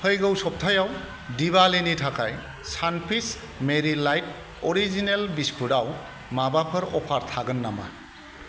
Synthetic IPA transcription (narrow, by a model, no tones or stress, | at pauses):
pʰəjɡɯwsɔp̚tʰajaw | diβalenitʰakʰaj | sanpʰis | meɾilajt̚ | ɔɾizinelbispʰuɾaw | mabapʰɯɾɔpʰaɾt̪ʰaɡɯnːama̰